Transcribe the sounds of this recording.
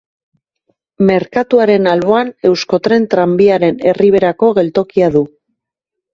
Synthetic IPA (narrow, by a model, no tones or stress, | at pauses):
me̞ɾkat̪uaɾe̞nalβo̞ane̞wsko̞t̪ɾe̞nt̪ɾambiaɾe̞ne̞riβ̞e̞ɾako̞ɣe̞lt̪o̞kiaðu